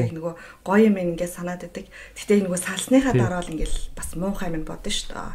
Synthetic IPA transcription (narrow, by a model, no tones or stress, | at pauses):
exnɵɣoː | ɢ̥ɔjɪmeniŋɡeːt̪sanaːt̪et̪ɘ̆ktt̪ʰe̥xʰt̪eːnɵɣoːsaɮsniːχaːt̪aɾɔːɮiŋɡɘ̆ɮpasmʊːχæːmɪ̆npɔt̪ɞ̆ʃt̪ʰɔ̰ː